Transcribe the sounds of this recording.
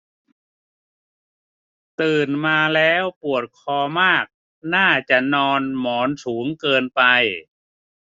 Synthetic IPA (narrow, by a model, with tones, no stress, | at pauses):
t̪ɯː˨˩nmaː˧lɛː˦˥wpu˨˩ət̪̚kʰɔː˧maː˥˩k̚ | naː˥˩t͡ɕa˨˩nɔː˧nmɔː˩˦nsuː˩˦ŋkɤː˧npa˧j